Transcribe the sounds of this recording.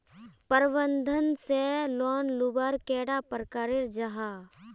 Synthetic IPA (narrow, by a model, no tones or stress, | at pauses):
pəɾbənd̪ʱənselɔːnlubaːɾkɛːɽapəɾkaːɾeɾd͡ʒɐɦa